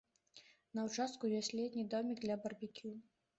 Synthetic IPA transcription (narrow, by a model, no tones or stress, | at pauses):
nɐwt͡ʂast̪̚kujɔsʲlʲɛd̪ʲnʲid̪ɔmʲiɡd̪lʲɐbɐrbʲikʲu